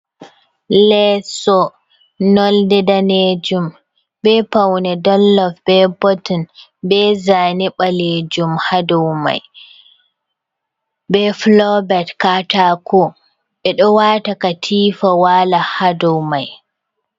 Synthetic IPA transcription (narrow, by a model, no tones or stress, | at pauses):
lɛsɔ | nɔldɛdaned͡ʒum | bɛpawnɛdɔlːɔfb̥ɛbɔtɔnbɛzaːniɓaled͡ʒumhadɔwma̰j | bɛflɔbɛtkatakɔ | ɓɛɗɔwatakatʰiːfawalahadɔwmaj